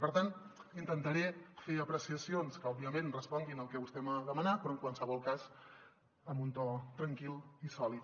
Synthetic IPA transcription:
pəɾt̪anint̪ənt̪əɾɛfeəpɾəsiəsionskəɔbiəmẽnrəspɔŋɡinəlˠkɛβust̪ɛməðəmənapɾɔəŋkwansəβɔlˠkaz | əmbunt̪ɔt̪ɾəŋkilˠisɔlit̪

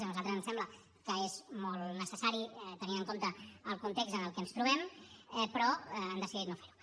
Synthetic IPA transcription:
nuzalˠt̪ɾəzənsɛmblə | kəezmolˠnəsəsaɾiɛt̪əninəŋkomt̪əəlˠkunt̪ekɡzənəlˠkɛənst̪ɾuβɛmɛpɾɔːnd̪əsiðit̪nofe̥ɾu

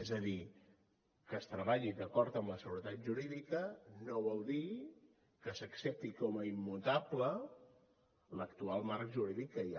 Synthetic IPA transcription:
ezəði | kəːst̪ɾəβaʎid̪əkɔɾt̪əmləsəɣuɾət̪at̪̚ʒuɾiðikənoβɔlˠd̪i | kəsəksep̚t̪ikɔməimːut̪ablə | ləkt̪ualˠmaɾkʒuɾiðikːəja̰

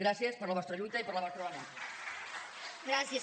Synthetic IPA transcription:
ɾasjespəɾlɐβɔst̪ɾəaʎujt̪aipəɾləβ̞ɔst̪ɾoana | ɡɾasje

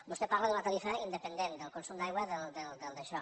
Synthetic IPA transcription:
bust̪epaɾləðunət̪əlifaind̪əpənd̪end̪əlˠkunsumd̪ajɣwaðəlˠd̪əld̪əlˠd̪əʃɔ

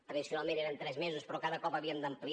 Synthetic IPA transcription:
t̪ɾəðisjunalˠmẽneɾənt̪ɾɛzmezuspɾɔkaðəkɔpəβiəmd̪əmpli

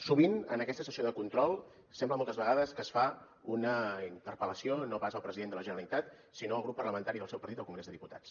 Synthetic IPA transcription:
suβinənəkɛst̪əsəsioðəkunt̪ɾɔlˠ | sɛmbləmɔlˠt̪əzβəɣaðəskəsfa | unəint̪əɾpələsionoβazəlˠpɾəziðend̪ələʒənəɾəlit̪at̪̚ | sinoəlˠɣɾupːərləmənt̪aɾiðəlˠsɛwpəɾt̪it̪əlˠkuŋɡɾezðəðiput̪a̰t͡s

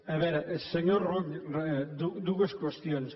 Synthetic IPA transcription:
ɐβɛɾɐʔeseɲoɾrɔŋd̪ud̪uɣɐskwest̪joŋs

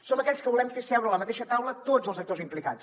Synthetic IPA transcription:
sonəkɛʎskəβulɛmfesɛwɾəːləmət̪eʃət̪awlət̪od͡zəlˠzək̚t̪ozimplika̰t͡s

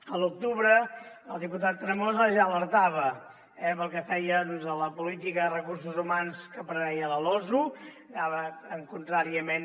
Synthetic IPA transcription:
əlˠuk̚t̪uβɾəəlˠd̪iput̪at̪ːɾəmozəʒaələɾt̪aβə | ɛpəlˠkɛfɛjəðɔnzələpulit̪ikərəkurs̬uzumanskəpɾəβɛjələlɔzu | ɡaβəəŋkunt̪ɾaɾiəmen

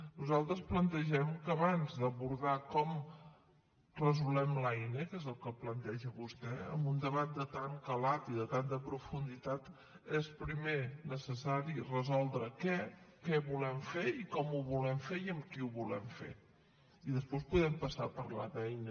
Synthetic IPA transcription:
nuzalˠt̪ɾəsplənt̪əʒɛmkəːβanzðəβuɾðakɔm | rəzulɛmlɛjnəkɛzəlˠkəplənt̪ɛʒəβust̪ɛə̰mbund̪əβat̪̚d̪ət̪aŋkəlat̪iðət̪ant̪əpɾufund̪it̪at̪ | espɾimenəsəsaɾirəzɔlˠd̪ɾəkɛkɛβulɛmfeikɔmuβulɛmfeiəmkiuβulɛ̰mfḛ | iðəspospuðɛmpəsa̰pəɾla̰ðɛjnə

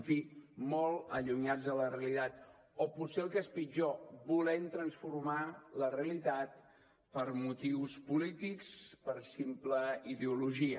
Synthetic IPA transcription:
ɱfimɔlˠəʎuɲad͡zələreəlit̪at̪̚ | oput̪seəlˠkəspid͡ʒoβulɛnt̪ɾənsfurmaləreəlit̪at̪̚ | pəɾmut̪iwspulit̪ikspəɾsimpləiðeuluʒiə

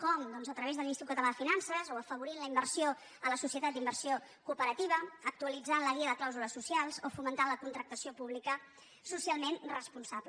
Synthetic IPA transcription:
kɔmd̪ɔnzət̪ɾəβezðəminist̪iukət̪əlafinansəzoəfəβ̞uɾinləimbəɾsio | ələsusiət̪at̪̚d̪imbərsiokupəɾət̪iβ̞əək̚t̪uəlid͡zanləɣiəðəklawzuləsusjalˠzofumənt̪aləkunt̪ɾək̚t̪əsiopuβlikə | susialˠmenrəspunsaβə

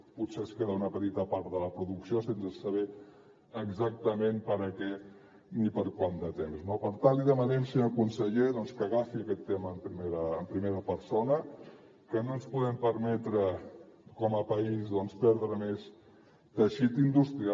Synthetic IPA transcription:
put̪seəskeðəunəpət̪it̪əpaɾt̪ðələpɾuðuksiosensəsəβ̞ɛ | əɡzak̚t̪əmenpəɾəkɛ | nipəɾkwand̪ət̪emznopəɾt̪aliðəmənɛnsiəkunsəʎeðɔnskəɣafiəkɛt̪ːeməːmpɾimeɾəːmpɾimeɾəpəɾsonə | kənonspuðɛmpəɾmɛt̪ɾəkɔməpəizðɔnspɛɾðɾəmes | t̪əʃit̪ind̪ust̪ɾia

